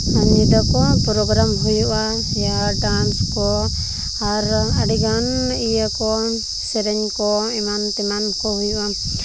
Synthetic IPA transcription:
aɲid̪akɔpɾɔɡɾamɦujuʔa | jaɖanskɔ | aɾaɖiɡanijakɔ | sɛɾɛɲkɔimant̪ɛmankɔɦujuʔa

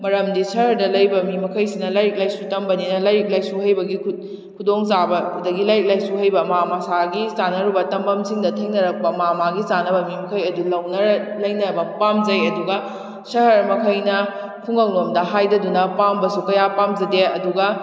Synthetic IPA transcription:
mɐɾɐmdisɐɦhɐɾdɐlɐjbɐmimɐkʰɐjsinɐlajɾik̚lajsutɐmbɐninɐlajɾik̚lajsuɦhɐjbɐɡikʰut̚ | kʰudoŋsabɐdɐɡilajɾik̚lajsuɦɐjbɐmamasaɡisanɐɾubɐtɐmbɐmsiŋdɐtʰeŋnɐɾɐk̚pɐmamaɡisanɐbɐmimɐkʰɐjɐdulɐwnɐɾlɐjnɐbɐpamzɐjɐduɡɐ | sɐɦɐɾmɐkʰɐjnɐ | pʰuŋɐwnomdɐɦajdɐdunɐpambɐsukɐjapamzɐdeɐduɡɐ

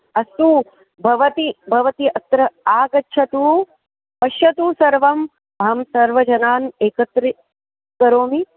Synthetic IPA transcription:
ɐst̪u | bʱɐʋɐt̪ibʱɐʋɐt̪iɐt̪ɾɐaːɡɐtːʃʰɐt̪uː | pɐʃjɐt̪uːsɐɾʋɐm | ɐɦɐmsɐɾʋɐd͡ʒɐnaːneːkɐt̪ɾi | kɐɾoːmi

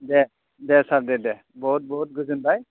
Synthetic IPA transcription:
dɛ | dɛsapdɛdɛ | bɔɦut̚bɔɦut̚ɡuzunbaj

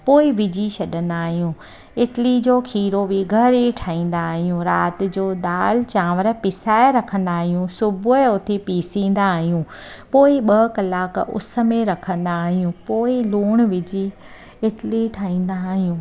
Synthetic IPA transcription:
poːɪʋɪd͡ʑiʃɐɗə̃nd̪aːɦijũː | ɪʈlid͡ʑoːkʰiːɾobiɡʱɐɾiʈʰaːĩːn̆d̪aːɦijũɾaːt̪ɪ̆d͡ʑoːɗ̪aːlt͡ɕãːʋəɾə̆pɪsaːɪɾɐkʰə̃nd̪aːɦijũsʊbʊeʊt̪epiːsĩːn̆d̪aːɦijũː | poːɪɓɐkɐlaːkʊ̰sə̆mẽɾɐkʰə̃nd̪aːɦijũpoːɪluːɽ̃ʋɪd͡ʑi | ɪʈɪliʈʰaːĩːn̆d̪aːɦijũː

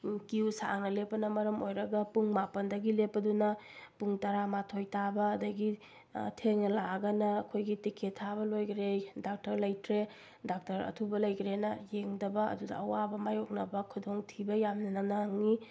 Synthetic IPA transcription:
kiwsa̰ŋnɐlepːɐnɐmɐɾɐmojɾɐɡɐpuŋmapɐndɐɡilepːɐdunɐpuŋtɐɾamatʰojtabɐːdɐɡi | tʰeŋnɐlaɡɐnɐːkʰojɡitikʰetʰabɐlojɡɾejdak̚tɐɾlɐjtʰɾe | dak̚tɐɾɐ̰tʰubɐlɐjkɾenɐjeŋdɐbɐɐ̰dudɐ̰ɐwabɐmajok̚nɐbɐkʰudoŋtʰibɐjamnɐnɐnaŋni

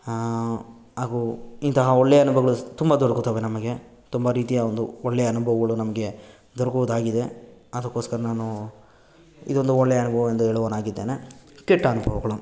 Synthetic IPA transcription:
aːɡuint̪ɐɦɐɔɭːejɐnubʱɐɡɐɭut̪umbɐd̪ɔɽɐkut̪ːɐʋe̞nɐmɐɡe̞ | t̪umbɐɾiːt̪ijɐond̪uɔɭːejɐɐnubʱɐʋɐɡɐɭunɐmɐɡe | d̪ɔɾɐkuʋud̪aːɡid̪e̞ɐd̪ɐkːo̞ːskɐɾɐnaːnu | ḭd̪o̞nd̪uɔɭːejɐnubʱɐʋɐend̪ueːɭuʋɐnaːɡid̪ːeːnekeʈːɐnubʱɐʋɐɡɐɭu

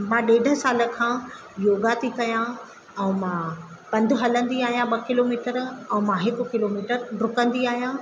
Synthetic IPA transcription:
mãːɗeːɪɖ̤ʱəsaːlə̆kʰãː | joːɡat̪ʰikɐjã | ɛ̃ːmã | pɐ̃nd̪ʱʊ̆ɦɐlə̃nd̪iaːɦijãɓɐkɪloːmiːʈəɾɛ̃ːmãɦɪkʊ̆kɪloːmiːʈəɾɾʊkə̃nd̪iaːɦijãː

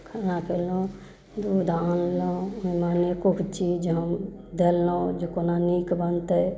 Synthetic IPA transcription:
kʰanapʰelõ | d̪uːd̪ʱanlomemaːnekukʰt͡ʃid͡ʒɦəm | d̪ellod͡ʒokonaniːkbənt̪ɛ

